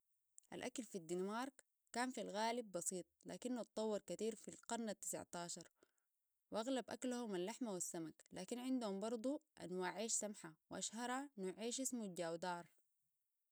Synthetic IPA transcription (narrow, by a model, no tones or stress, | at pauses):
ʔa̰lʔakalfid̪ːinmɑɾˤkː | aːnfilɣaːlib̚ːɑsiːt̪̚ˤla̰ːkinːutt̪ˤːɑwːɑɾˤkat̪iːɾfilqɑɾˤnat̪ːɪ̥sa̰ʕt̪aːʃɑɾˤ | wʔaɣlabʔaklahumalːaħmawisːamaklaːkinʕɪnd̪humbɑɾˤd̪ˤuʔa̰nwaʕiːʃsamħawʔaʃhɑɾˤɑnuʕiːʃʔismuɟaːwd̪ɑːɾˤ